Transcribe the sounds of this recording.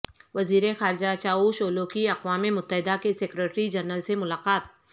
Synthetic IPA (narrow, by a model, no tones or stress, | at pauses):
ʋɐziːɾexaːɾɪd͡ʒat͡ʃaːuʃoːlokiɐqʋaːmemʊt̪ːəɦɪd̪akeseːkɾeʈɾid͡ʒɐɾnəlsemʊlaːqaːt̪̚